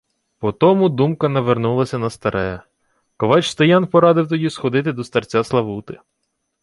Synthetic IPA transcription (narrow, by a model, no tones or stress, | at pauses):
pɔt̪ɔmʊd̪umkɐnɐʋernulˠɐsʲɐnɐst̪ɐɾʔɛjɛ | kɔʋɑt͡ʃst̪ɐjɑnpɔɾɑd̪ɪwt̪ɔdʲisxɔd̪ɪt̪ɪd̪ɔst̪ɐrt͡sʲaslˠɐʋut̪ɪ